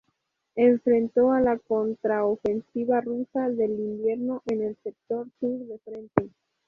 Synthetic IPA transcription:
e̞ɱfɾẽ̞nt̪o̞alako̞nt̪ɾaofe̞nsiβarusaðe̞limbje̞ɾno̞ʔe̞ne̞lsek̚t̪o̞ɾsuɾðe̞fɾe̞nt̪e

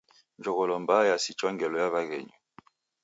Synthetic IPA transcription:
nd͡ʒɔɣɔlɔmbajasit͡ʃɔŋɡɛlɔjaβaɣɛ̰ɲɔ

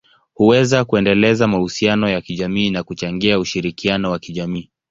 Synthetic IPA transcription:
huwɛzakuɛndɛlɛzamahusianɔjakiʄamiːnakut͡ʃaŋɡiauʃiɾikianɔwakiʄamiː

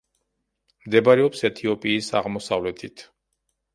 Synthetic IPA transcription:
md̪ɛbaɾɛɔpsɛt̪ʰiɔpʼiːsaʁmɔsavlɛt̪ʰit̪ʰ

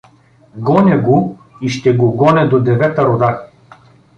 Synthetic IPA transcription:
ɡɔnʲɛɡo | iʃt̪ɛɡoɡɔnʲɛd̪od̪ɛvɛt̪ɐɾod̪a

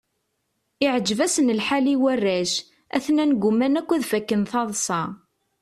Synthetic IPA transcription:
ɪʕəd͡ʒːvæsənəlħaliwærːæʃ | æ̰θnænɡʷʊmænækʷːæðfækːənθɑðˤsˤɑ

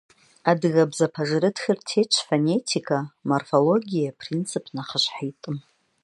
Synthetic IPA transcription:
adɣabzapʰaʐɾɨtxʲɪrtʰejt͡ʃʷʰfane̞tʰikʰamorfolo̞ɡʲijapʰrint͡sʰɨpʰnaχəʃʷħajtʼɨm

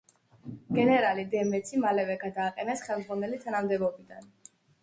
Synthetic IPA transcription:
ɡ̥ɛnɛɾalid̪ɛmɛt̪sʰimalɛvɛɡad̪aːqʼɛnɛsχɛlˠmd̪zʁwanɛlit̪ʰanamd̪ɛbɔbid̪a̰n

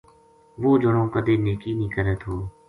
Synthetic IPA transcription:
ʋoːd͡ʒəɽõːkəd̪eːneːkiːnĩːkəɾəːt̪ɦoː

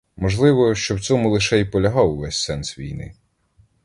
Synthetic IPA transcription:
mɔʒlˠɪʋɔʃt͡ʃɔwt͡sʲɔmʊlˠɪʃɛipɔlʲɐɦɑwʊʋɛsʲsɛnsʋʲḭjnɪ̰

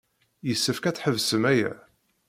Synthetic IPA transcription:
jəsːəfkæt͡sːħəvsəmæjæ̰

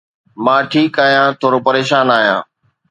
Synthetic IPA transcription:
mãːʈʰiːkaːɦijãːt̪ʰoːɾoːpəɾeːʃaːnaːɦijã̰ː

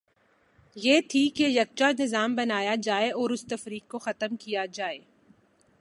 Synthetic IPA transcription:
jeːt̪ʰikejɐk̚t͡ʃanɪzaːmbɐnaːjad͡ʒaːeɔːɾʊst̪ɐfɾiːkːoxɐt̪əmkijad͡ʒaːeː

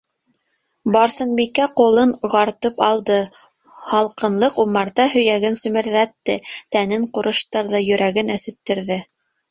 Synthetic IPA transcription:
bɑɾsɤ̆nbikːæqulˠɤɴʁɑɾt̪ɤpɑlˠd̪ɤ | hɑlˠqɤ̆nlˠɤqumɑɾt̪ɑhɵ̆jæɡɘnsɵ̆mɘ̆ɾðæt̪ːɘt̪ænɘɴquɾɤ̆ʃt̪ɑɾðɑjɵ̆ɾʔæɡɘnæsɘ̆t̪ːɘ̆ɾðɘ

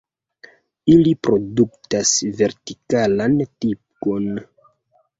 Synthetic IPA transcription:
ilipɾo̞duktasve̞ɾtikalantip̚ko̞n

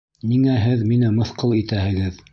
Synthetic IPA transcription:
niŋæɦɘðminɘmɤ̆θqɤlˠit̪æhɘ̆ɡɘð

